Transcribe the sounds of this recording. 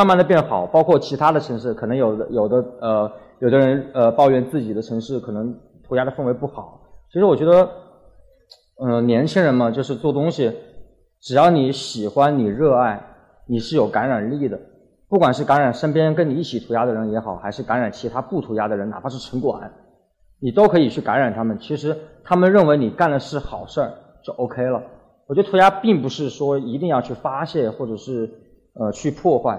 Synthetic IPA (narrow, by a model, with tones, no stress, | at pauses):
ma˥˧nma˥˩nd̪ə˩pjɛ˥˩nxɑ˨˩˦ʊpɑ˥ʊkʰwɔ˥˩t͡ɕʰi˧˥t̪ʰa˥d̪ə˨ʈ͡ʂʰɤ˧˥ŋʂɻ̩˥˩kʰɤ˨˩nɤ˧˥ŋjo˨˩ʊd̪ə˦jo˨˩ʊd̪ə˦ə˧ | jʊd̪ə˦ɻə˧˥nə˧pɑ˥˧ʊɥɛ˥˧nt͡sɹ̩˥˩t͡ɕi˨˩d̪ə˦ʈ͡ʂʰɤ˧˥ŋʂɻ̩˥˩kʰɤ˨˩nɤ˧˥ŋ | t̪ʰu˧˥ja˥d̪ə˧fə˥˩ŋwe˧˥ɪpu˥˩xɑ˨˩˦t͡ɕʰi˧˥ʂɻ̩˧˥wɔ˨˩t͡ɕɥɛ˧˥d̪ə˧ | ə˧˩njɛ˧˥nt͡ɕʰi˥ŋɻə˧˥nmɐ˧t͡ɕjo˥˧ʊʂ̬ɻ̩˥˧t͡swɔ˥˩t̪ʊ˥ŋɕi˨˩ | ʈ͡ʂɻ̩˨˩jɑ˥˩ʊni˧˥ɕi˨˩xwa˥nni˨˩ɻɤ˥˧a˥˩ɪ | ni˨˩ʂɻ̩˥˩jo˨˩ʊka˧˥nɻa˨˩nli˥˩d̪ə˩ | pu˥˩kwa˨˩nʂɻ̩˥˩ka˧˥nɻa˨˩nʂə˥npjɛ˥nkə˥ni˨˩i˥˩t͡ɕʰi˨˩t̪ʰu˧˥ja˥d̪ə˨ɻə˧˥njɛ˧˥xɑ˨˩˦ʊxa˧˥ɪʂɻ̩˥˩ka˧˥nɻa˨˩nt͡ɕʰi˧˥t̪ʰa˥pu˥˩t̪ʰu˧˥ja˥d̪ə˨ɻə˧˥na˨˩pʰa˥ʂɻ̩˥˩ʈ͡ʂʰɤ˧˥ŋkwa̰˨˩˦n | ni˨˩t̪o˥ʊkʰɤ˧˥i˨˩t͡ɕʰy˥˩ka˧˥nɻa˨˩nt̪ʰa˥mə˨nt͡ɕʰi˧˥ʂɻ̩˧˥t̪ʰa˥mə˨nɻə˥˩nwe˧˥ɪni˨˩ka˥˩nd̪ə˩ʂɻ̩˥˩xɑ˨˩ʊʂə˥˩ | t͡ɕjo˥˩ʔo˥ʊkʰe˥ɪlə˨ | wɔ˨˩t͡ɕɥɛ˧˥ə˧t̪ʰja˥pi˥˩ŋpu˧˥ʂɻ̩˥˩ʂwɔ˥i˧˥t̪̬i˥˧ŋjɑ˥˧ʊt͡ɕʰy˥˩fa˥ɕjɛ˥˧nxwɔ˥˩ʈ͡ʂɤ˨˩ʂɻ̩˥˧ | ə˧t͡ɕʰy˥˧pʰwɔ˥˧xwa˥˩ɪ